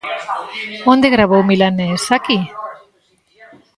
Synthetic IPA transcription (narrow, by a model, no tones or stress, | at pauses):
ond̪eɣɾaβowmilanesaki